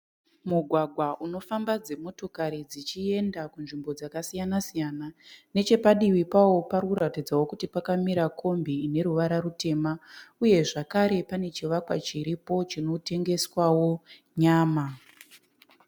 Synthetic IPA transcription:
muɡʱwaɡʱwaʔuno̞fambad͡ze̞mo̞to̞kaɾid͡zit͡ʃie̞ndakunʐimbo̞d͡zakasijanasijanane̞t͡ʃe̞paɗiwipawo̞paɾuɾatid͡zawo̞kutipakamiɾakʰo̞mbiːne̞ɾuʋaɾaɾute̞ːmauje̞ʐakaɾe̞pane̞t͡ʃiʋakwat͡ʃiɾipo̞t͡ʃino̞te̞ŋɡe̞swawo̞ | ɲaːma

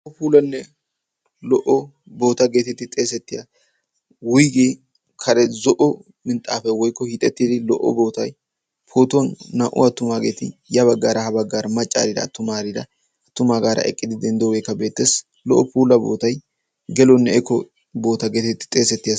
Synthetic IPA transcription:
lɔʔɔpuːlɐnːɛ | lɔʔɔ | bo̞ːt̪ɐɡe̞ːt̪ɪt̪ːɪt̪ʼe̞ːsɛt̪ːɪja | wʊjɡeː | kʰɐɾɛzɔʔɔ | mɪnt̪ʼːaːfɛwɔjkːɔhit̪ʼɛt̪ːid̪ɪlɔʔːɔ̰bo̞ːt̪ɐj | pʰo̞ːt̪ʊwɐnːɐʔʊ̰ɐt̪ːʊmaːɡeːt̪ɪjɐβɐɡːaːɾɐhɐbɐɡːaːɾɐmɐt͡ʃʼːa̰ːɾɪd̪ɐ̰ːt̪ːʊmaːɾɪd̪ɐ̰ | ɐt̪ːʊmaːɡaːɾɐ̰ʔɛ̰kʼːɪd̪ɪd̪ɛnd̪oːɡeːkːɐbe̞ːt̪ːeːs | lɔʔɔpuːlɐbo̞̰ːt̪ɐj | ɡɛlɔnːɛɛkːɔ | bo̞ːt̪ɐɡeːt̪ɛt̪ːɪ̥t̪ʼe̞ːsɛt̪ːɪjɐ

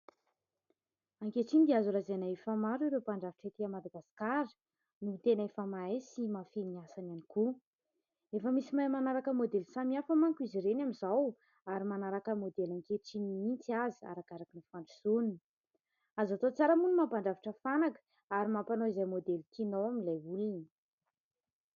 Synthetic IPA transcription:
aŋkeʈ͡ʂind̪iazulazanaefamaɾiɾepaɳɖ͡ʐaviʈ͡ʂet̪iamad̪aɡasi̥kaɾə̥ | nut̪enəefamaesimafiniasananiku | efəmisimajmanaɾakəmod̪elsamiafəmaŋkiziɾenamizaw | aɾimanaɾakəmod̪elaŋkeʈ͡ʂiniint͡siazi̥a̰ɾakaɾakənifaɳɖ͡ʐisunin | azat̪ot͡saɾəmunmapaɳɖ͡ʐaviʈ͡ʂəfanakə̥ | aɾimampanoizajmod̪elkinowaminlajulini

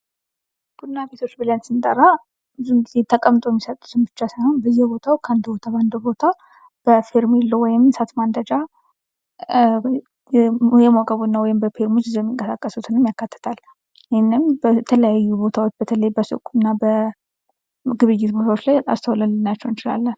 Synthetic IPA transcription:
b̥ud̪nːabe̞t̪ʰo̞t͡ʃːbɨlənsɨnt̪ʼəɾa | ɨzuŋɡizet̪ʰəkʼəmt̪ʼo̞jɛmːisət̪ʼːu̥t̪ɨnbɨt͡ʃːasajho̞nbəjːɛbo̞t̪ʰawkʰːand̪bo̞t̪ʰaband̪obo̞t̪ʰa | b̥əfeɾmelːowɔjɪmsat̪mand̪əd͡ʒa | jɛmokʼəβunːawɔjɪmbəfeɾmot͡ʃːɨzojɛmːiŋkʼəsakʼːəsut̪ʰɨnɨmjakːat̪ːə̥t̪ʰal | jɪhenːɨmbət̪ʰələjajːubo̞t̪ʰawot͡ʃːbət̪ʰələjbəsɨ̰kʼunːabə | ɡɨβɨjːɪt̪bo̞t̪ʰawot͡ʃːlaja̰st̪ʰəwləlːnat͡ʃːɛwnt͡ʃɪla̰lːən

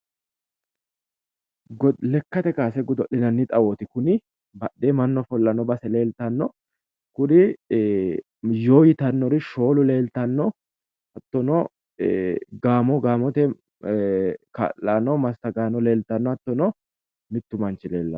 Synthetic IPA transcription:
ɡlɛkːɐt̪ɛkaːsɛɡʊd̪ɔɗɪnɐnːɪt̪ʼɐwot̪ɪkʊnɪ | bɐɗːeːmɐnːɔfɔlːɐnːɔbɐsɛle̞ːlt̪ɐnːɔ | kʊnɪ | jo̞ːjɪt̪ɐnːɔɾɪʃo̞ːlʊle̞ːlt̪ɐnːɔ | ɐt̪ːɔnɔ | ɡaːmɔɡaːmɔt̪ɛ | ka̰lːanːɔmɐst̪ɐɡaːnːɔle̞ːlt̪ɐnːɔɐt̪ːɔnɔ | mɪt̪ːʊmɐnt͡ʃɪle̞ːlːɐ

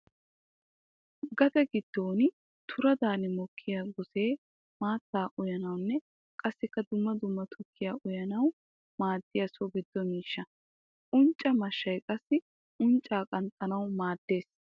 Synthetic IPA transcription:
ɡɐd̪ɐɡɪd̪̥ːoːnɪ | t̪ʰʊɾɐd̪aːnɪmɔkʰːɪjaːɡɔse̞ː | maːt̪ːaːʔʊjɐnɐwnːɛ | kʼɐsːɪkːɐd̪ʊmːɐd̪ʊmːɐt̪ʰɔkʰːɪjaːʔʊjɐnɐw | maːd̪ːɪjɐsɔbɪd̪ːɔmiːʃːɐ | ʔʊnt͡ʃʼːɐmɐʃːɐjkʼɐsːɪ | ʔʊnt͡ʃʼːaːkʼɐnt̪ʼːɐnɐwmaːd̪̥ːe̞ːs

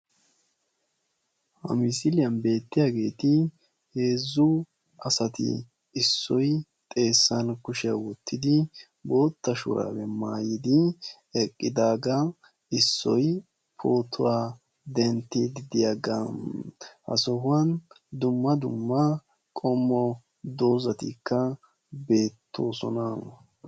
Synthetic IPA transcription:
hɐ̰mɪsɪlɪjɐnbe̞ːt̪ːɪjaːɡe̞ːt̪ɪ | he̞ːzːʊ | ɐsɐt̪ɪ̰ | ɪsːɔj | t̪ʼe̞ːsːɐnkʊʃɪjawɔt̪ʰːɪd̪ɪ | bo̞ːt̪ːɐʃʊ̰ɾa̰ːwɛmaːjɪd̪ɪ | ɛkʼːɪd̪aːɡɐ | ɪsːɔj | pʰoːt̪ʰːʊwaː | d̪ɛnt̪ːɪd̪ɪd̪ɪjaɡɐ | hɐ̰sɔhʊɐn | d̪ʊmːɐd̪ʊmːɐ | kʼɔmːɔ | d̪o̞ːzɐt̪ikːɐ | be̞ːt̪ʰːo̞ːsɔ̰nɐ

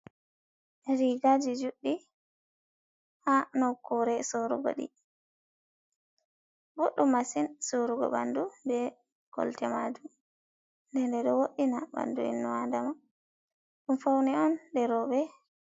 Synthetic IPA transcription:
ʔɛɾiɡad͡ʒid͡ʒuɗːi | hanɔkɔɾɛsoɾṵɡo̰ɗḭ | boɗːumasinsoɾuɡɔ̰ɓa̰ndubɛ | ɡ̥ɔ̰ltɛmad͡ʒu | ndɛndɛɗɔwoɗinaɓa̰ndṵḭnːɔwandama | ɗumfawnɛɔndɛɾɔɓɛ

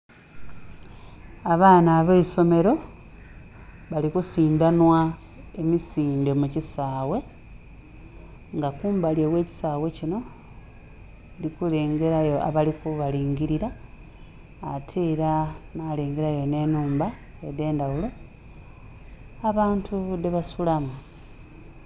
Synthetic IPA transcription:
aβaːnaːβeso̞me̞ɾo̞ | βalikusiːndanwa | emisiːnde̞mucisaːwe̞ | ŋɡakuːmbaljewe̞ːci̥saːwe̞cino̞ | likule̞ːŋɡe̞ɾajo̞a̰βalikuβaliːŋɡiɾiɾa | tʰeːɾanaːle̞ːŋɡe̞ɾajo̞ne̞nuːmba | ede̞ːndawulo̞ | aβaːntʰudeβasulama

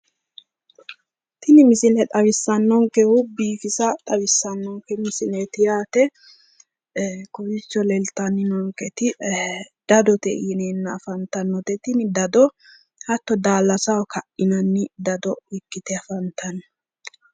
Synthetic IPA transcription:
t̪ɪnɪmɪsɪlɛt̪ʼɐwɪsːɐnːɔŋkɛhʊbiːfɪsɐt̪ʼɐβɪsːɐnːɔŋkːɛmɪsɪlet̪ɪjaːt̪ɛ | kʊbɪt͡ʃːɔlɛlt̪ːɐnːɪnɔŋkɛt̪ɪ | d̪̥ɐd̪ɔt̪ɛ̰jɪneːnːɐːfɐnt̪ɐnːɔt̪ɛt̪ɪnɪd̪ɐd̪ɔ | hɐt̪ːɔd̪aːlːɐsɐwkʰɐʔɪnɐnːɪd̪ɐd̪ɔwɪkːɪt̪ɛɐfɐnt̪ɐnɔ

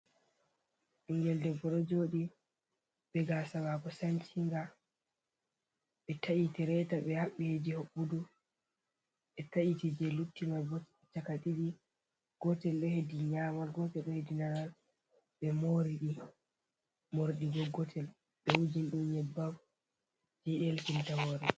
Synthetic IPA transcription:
ɗuŋɡɛldɛɡɔɾɔd͡ʒoːɗi | ɓɛɡasabakɔsaɲt͡ʃiŋɡa | ɓɛtʰaʔitɛɾɛtaɓɛhaɓːihed͡ʒihoɓːudu | ɓɛtaʔitid͡ʒɛlutːimabɔt | t͡ʃakaɗiɗi | ɡ̥ɔtɛlɗɔhediɲamaɡɔtɛlɗɔhedinanal | ɓɛmoɾiɗi | moɾɗiɡɔɡɔtʰɛl | ɓɛwud͡ʒinɗuɲɛbːaw | d͡ʒɛɗelkintahoːɾi

